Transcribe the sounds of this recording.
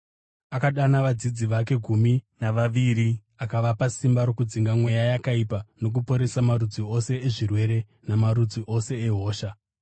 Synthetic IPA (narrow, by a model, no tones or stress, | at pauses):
akaɗanaʋad͡zid͡ziʋake̞ɡʱuminaʋaʋiɾi | akaʋapasimbaɾo̞kud͡ziŋɡamwe̞jajakaipano̞k̬upo̞ɾe̞samaɾud͡zio̞se̞ːʐirwe̞ɾe̞ | namaɾud͡ziʔo̞se̞eɦo̞ːʃa